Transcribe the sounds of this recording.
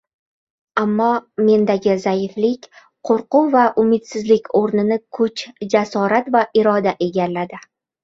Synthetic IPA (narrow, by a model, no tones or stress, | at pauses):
amːɒme̞nd̪aɡʲɪzajɪflɪkʲ | qʰoɾqʊvaʔʊmɪt̪sɪzlɪkʲʰoɾnɪnɪkʰʊt͡ʃd͡ʒasɒɾat̪vaʔɪɾɒd̪aʔe̞ɡʲallːad̪ɪ